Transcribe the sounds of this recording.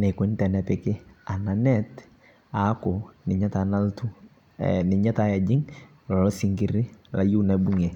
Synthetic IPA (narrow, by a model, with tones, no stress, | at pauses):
nɛ˨ko˨i˦ntɛ˨nɛ˨pɪ˨kɪ˦a˨na˨nɛ˦t | a˨˦ko˨nɪ˨ɲa˦ta˨na˦ltṵ˦ | nɪ˨ɲa˦ta˦ja˨d͡ʒɪ˦ŋ | lɔ˨lsi˨ŋɡɪ˨ɾɪ˦la˨ju˦na˨bu˦ŋe˨